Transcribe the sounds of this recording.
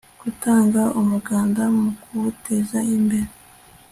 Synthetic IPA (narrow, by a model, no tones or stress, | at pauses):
ɡ̥utaːŋɡaʔumuɡaːndammukuβuteːzaimbe̞ɾe